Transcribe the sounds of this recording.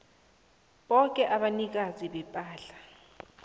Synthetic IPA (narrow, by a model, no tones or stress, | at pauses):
ɓɔkʼɛʔaɓanik̬aziɓɛpʼaːɬḁ